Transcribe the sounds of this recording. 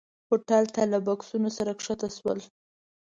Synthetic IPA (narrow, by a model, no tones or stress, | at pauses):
hoʈɑlt̪alabaksunosaɾakʂat̪aʃwə̰l